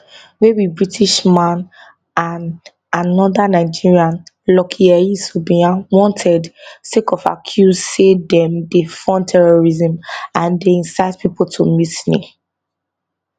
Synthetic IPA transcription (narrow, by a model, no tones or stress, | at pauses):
wewibɹitʰiʃmãn | an | anɔdanaɪd͡ʒiɹiãn | lɔkʰiaisubĩãwɔ̃ntʰɛdsekɔfa̰kʰjuzsedɛ̃mdefɔ̃ntʰɛɹɔɹizɛ̃mãndeĩnsaɪt̚pipoltʰomisnḛ